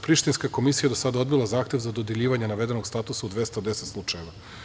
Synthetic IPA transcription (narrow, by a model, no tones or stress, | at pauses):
pɾiʃt̪inskako̞misijed̪osad̪ao̞d̪bilˠazaːxt̪je̞vzad̪od̪jeʎiːʋaɲenaʋe̞d̪e̞no̞ɡst̪at̪usaud̪ʋe̞st̪ad̪eset̪slˠut͡ʂaje̞ʋa